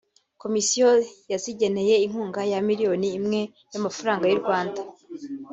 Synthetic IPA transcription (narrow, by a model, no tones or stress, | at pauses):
ko̞misijojaziɟe̞ne̞je̞iŋ̥uːŋɡajamiɾijo̞niːmŋe̞ | jamafaɾaːŋɡajuɾɡwaːnda